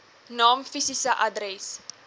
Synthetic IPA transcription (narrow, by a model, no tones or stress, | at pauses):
nɑːmfisisəʔɐdɾɛs